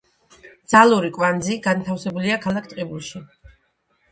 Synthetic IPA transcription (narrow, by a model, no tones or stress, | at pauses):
d̪z̥alˠuɾikʼwand̪ziɡant̪ʰafsɛbuliakʰalˠakʰt̪ʼqʼibulˠʃi